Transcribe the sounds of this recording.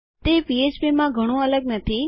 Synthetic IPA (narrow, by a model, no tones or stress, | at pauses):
t̪eːpieːt͡ʃbimãɡʱəɽ̃õələɡ̚nət̪ʰi